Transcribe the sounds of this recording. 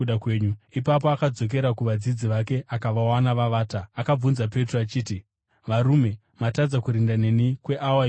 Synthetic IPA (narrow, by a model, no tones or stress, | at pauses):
uɗakweːɲuipap̬oakad͡zo̞k̬e̞ɾakuʋad͡zid͡ziʋake̞ʔakaʋawanaʋaʋaːtaːkab͡vunzap̬e̞troat͡ʃiːti | ʋaɾume̞ | matad͡zakuɾindane̞nikwe̞ʔawa